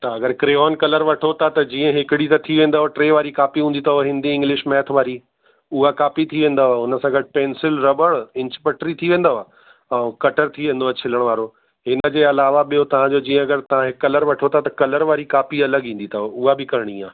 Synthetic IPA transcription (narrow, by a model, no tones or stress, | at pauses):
t̪ɐɐɡəɾkɾeːoːnkɐləɾʋɐʈʰot̪ʰat̪ɐd͡ʑĩːə̃ɦɪkɪɽit̪ɐt̪ʰiʋẽːn̆d̪aɦoʈɾeːʋaːɾikaːpiɦũːnd̪it̪ʰɐoɦɪ̃nd̪iɪ̃ŋɡlɪʃmɛːt̪ʰʋaːɾi | ʊɦakaːpit̪ʰiʋẽːn̆d̪aɦoʊnəsãɡʱɐʈɪpẽːnsɪlɾɐbəɽɪ̃ɲt͡ɕpɐʈɾit̪ʰiʋẽːn̆d̪aɦoa | ɛ̃ːkɐʈəɾt̪ʰiʋẽːn̆d̪oat͡ɕʰɪləɽ̃ʋaːɾo | ɦɪnə̆d͡ʑeːɐlaːʋaɓijot̪ɐʋ̤ãd͡ʑoːd͡ʑĩːə̃ɐɡəɾt̪ɐʋ̤ãɦɪkːɐləɾʋɐʈʰot̪ʰat̪ɐkɐləɾʋaːɾikaːpiɐləɡĩːn̆d̪it̪ʰɐɦoʊɦabʱɪkɐɾɪɽ̃iːaː